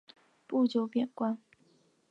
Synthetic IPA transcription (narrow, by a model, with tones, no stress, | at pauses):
pu˥˩t͡ɕjo˧˥ʊpjɛ˨˩nkwa˥n